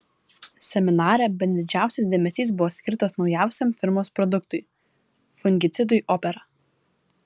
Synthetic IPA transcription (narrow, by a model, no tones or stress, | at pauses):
sʲɛmʲɪnɑːɾʲɛbʲɛnʲd̪ʲɪd͡ʒʲæˑʊsʲɛsd̪ʲeːmʲɛsʲiːs̬bʊʋɔːsʲkʲɪɾt̪oːsnɒʊjæˑʊsʲɛmfʲɪɾmoːspɾɔd̪ʊk̚t̪ʊɪ | fʊŋʲɡʲɪt̪sʲɪd̪ʊɪʔɔpʲɛɾɐ